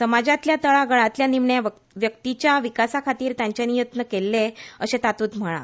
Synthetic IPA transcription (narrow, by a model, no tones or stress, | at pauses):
səmad͡ʑat̪ljat̪əɭaɡəɭat̪ljanimɳja | ʋjək̚t̪it͡ɕjaʋikasakʰat̪iːɾt̪jãɲt͡ɕenijut̪nəkelːeəɕet̪at̪uːt̪m̤əɭ̃a̰